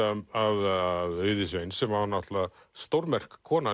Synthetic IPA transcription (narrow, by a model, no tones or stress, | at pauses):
aaðaðœːɥðɪsvejnsɛmahanːaht̪la | st̪owɾmɛr̥kʰːɔːna